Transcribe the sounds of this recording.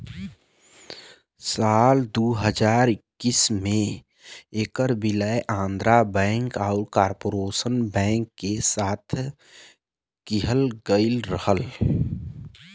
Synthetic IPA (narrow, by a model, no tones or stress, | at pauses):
saːld̪uːɦəd͡ʒaːɾɪkːismẽ | ekəɾbɪləeʔãːnd̪ɾabɛ̃ːŋkaʊɾkaːɾpoɾoːsənbɛ̃ːŋkːesaːt̪ʰ | kiɦəlɡəɪlɾəhəl